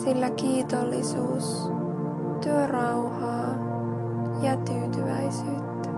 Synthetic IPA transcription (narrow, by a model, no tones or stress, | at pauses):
silːækiːt̪olːisuːs | t̪yørɑwhɑː | jɑt̪yːt̪yʋæ̰isyːt̪ːæ̥